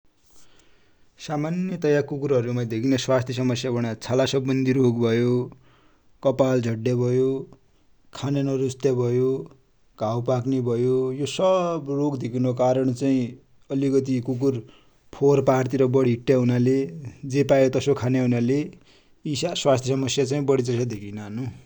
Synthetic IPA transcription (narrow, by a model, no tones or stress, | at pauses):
samanjʌt̪ʌjakukuɾɦʌɾumad̪ekʰinʌswast̪ʰjʌs̬ʌmʌsjabʱʌɽ̃at͡sʰalasʌbːʌnd̪ʱiɾoɡbʱʌjo | kʌpald͡zʱʌɽːjabʱʌjo | kʰananʌɾust̪jabʱʌjo | ɡʱawpaknebʱʌjojosʌbrokd̪ekʰinokaɾʌɳ̃t͡saĩ | ʌlikʌt̪̬ikuk̬ur | pʰorpart̪iɾʌbʌɽiɦiʈːjaɦunaled͡zepajot̪ʌsokʰanjaɦunale | isaswast̪ʰjʌs̬ʌmʌsjat͡saĩbʌɽit͡sʌsad̪ekʰinaɦʌnu